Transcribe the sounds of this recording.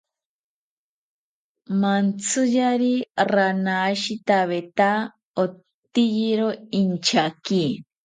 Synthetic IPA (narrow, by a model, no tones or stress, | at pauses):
mant͡sʰɨjaɾiranaʃit̪aβet̪a | o | t̪ijiɾoint͡ʃaki